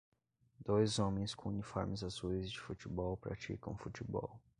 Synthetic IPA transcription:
d̪ojzõmẽj̃skõunifɔ̰ɾmɪzazuizd͡ʒɪfut͡ʃibɔwpɾa̰t͡ʃḭkɐ̃w̃fut͡ʃibɔ̰w

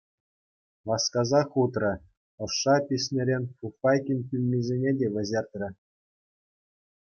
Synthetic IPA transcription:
ʋɑskɑzɑχut̪rɤ̆ | ɤ̆ʂːɑpʲisʲmʲeɾʲenʲfufɑjkʲinʲkʲylʲnʲizʲenʲedʲeʋʲɘ̆zʲerʲt̪ʲrʲɘ̆

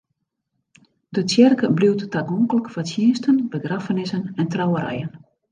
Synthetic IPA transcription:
dət͡sjɛrkəbliwttaɡɔŋkələkfasjiːstʰənbəɡrafənɪsənɛntrawəɾɛ̰jən

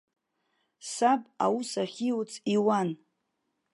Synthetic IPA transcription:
sabʼa̰wusaχʲiwut͡sʼiwan

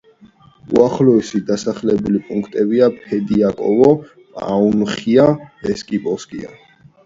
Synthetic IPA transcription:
ṵaχlɔɛsid̪asaχlɛbulipʼuŋkʰt̪ʼɛbiapʰɛd̪iakʼɔ̰vɔ | pʼa̰unχiaɛskʼipʼɔskʼḭa̰

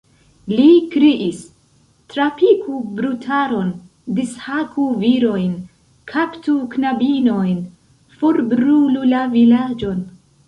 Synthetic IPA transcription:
likɾiʔis | tɾapikʰubɾutʰaɾo̞n | dishakuviɾo̞jn | kʰaptuknabino̞jn | foɾbɾululavilad͡ʒo̞n

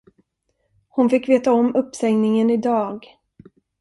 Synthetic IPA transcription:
hʊnfɪkːveːt̪aɔmːɵpːsɛŋnɪŋənɪd̪ɑːɡ

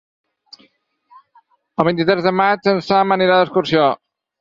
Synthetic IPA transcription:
əlˠβint̪it̪ɾɛzðəmat͡ʃənsaməneɾaðəskuɾsio

